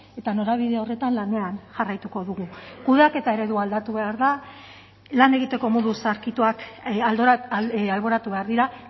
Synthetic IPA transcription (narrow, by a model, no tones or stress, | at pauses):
e̞t̪ano̞ɾaβ̞iðe̞o̞re̞t̪anlane̞anʝarajt̪uko̞ðuɣ̞ukuðeake̞t̪ae̞ɾe̞ðuald̪at̪uβe̞aɾða | lane̞ɣ̞it̪e̞ko̞mo̞ðusaɾkit̪uakald̪alβo̞ɾat̪uβe̞aɾðiɾa